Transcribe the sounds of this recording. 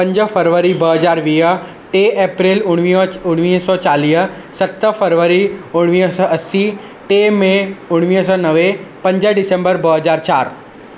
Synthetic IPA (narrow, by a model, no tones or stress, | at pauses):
pə̃ɲd͡ʒəpʰəɾʋəɾibəɦəzaːɾʋiːɦə | ʈeːʔeːpɾeːlʊɽ̃ʊɽ̃ʋiːsɔːt͡ʃaːliːə | sət̪əpʰəɾʋəɾiʊɽʋiəsɔːɐsi | ʈeːmẽʊɽ̃ʋiəs̬ɔːnəʋepə̃ɲd͡ʒəɖɪsə̃mbəɾbəɦəzaːɾt͡ʃaːɾ